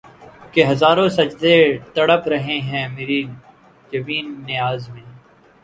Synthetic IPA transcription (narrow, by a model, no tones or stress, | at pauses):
keɦɐzaːɾõsɐd͡ʒd̪et̪ɐɽəpɾɐɦẽɦɛ̃ːmeːɾi | jɐʋiːnːɪaːzmẽː